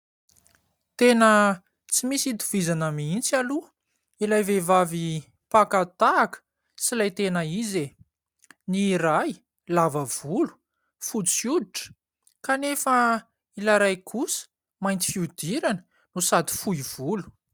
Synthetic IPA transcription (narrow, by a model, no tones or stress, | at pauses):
t̪enə | t͡simisit̪u̥v̥izanəmiint͡salu | ilajvevavi | pakat̪aːkə̥ | t͡silajt̪enəize | niɾaj | lavəv̥ulu̥ | fut͡sjud̪iʈ͡ʂə̥ | kanefə | ilaɾajkʰusə̥ | majnt̪i̥fiud̪iɾanə̥ | nusad̪i̥fujv̥ulu̥